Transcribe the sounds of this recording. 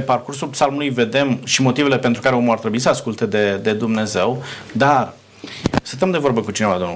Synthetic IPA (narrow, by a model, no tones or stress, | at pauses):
parkursulpsalmulujve̞d̪e̞mʃimo̞t̪ive̞le̞pe̞nt̪ɾukaɾe̞o̞muart̪ɾebuisəaskult̪e̞d̪e̞d̪e̞d̪umne̞ze̞wd̪ar | sɨnt̪əmd̪e̞vo̞rbəkut͡ʃinevad̪on